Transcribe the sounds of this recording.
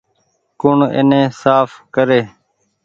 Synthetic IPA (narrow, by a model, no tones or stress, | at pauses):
kʊɳɪ̰nẽːsaːfkəɾeː